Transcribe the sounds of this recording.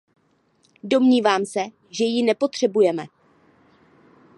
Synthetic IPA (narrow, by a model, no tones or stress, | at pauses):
do̞mɲiːvaːmsɛ | ʒɛjɪnɛpo̞t̪r̝̥ɛbujɛmɛ